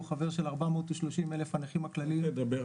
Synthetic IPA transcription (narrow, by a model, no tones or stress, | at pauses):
χave̞ʁʃelaʁbamot̪uʃloʃimelefanaχimaklalied̪abe